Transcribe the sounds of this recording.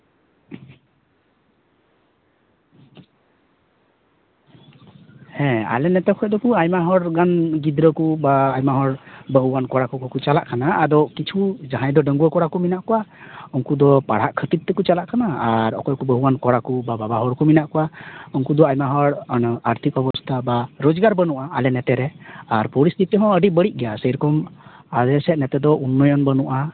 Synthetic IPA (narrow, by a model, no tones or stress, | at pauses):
hɛ̃a̰lɛnɛt̪ɛkʰɔjd̪ɔkuajmaɦɔɾɡanɡid̪ɾɔkubaːjmaɦɔɾbəɦuwankɔɽakukɔkut͡ʃala̰ʔkanaad̪ɔkit͡ʃʰud͡ʒaɦãjd̪ɔɖəŋɡuakɔɽakuminaʔkɔwaɔŋkud̪ɔpaɽ̤aʔkʰət̪it̪̚t̪ɛkut͡ʃalaʔkanaaɾɔ̰kɔjkubəɦuwankɔɽakubababaɦɔɽkuminaʔkɔwaɔŋkud̪ɔajmaɦɔɽnaɾt̪ʰikɔbɔst̪ʰabaɾod͡ʒɡaɾbənuʔa̰ːlɛnɛt̪ɛɾɛaɾpɔɾist̪ʰit̪ɛɦɔ̃əɖiʔ̚bəɽiʔ̚ɡɛjasəjɾɔkɔmalɛsɛnɛt̪ɛd̪ɔunːɔjɔnbənuʔa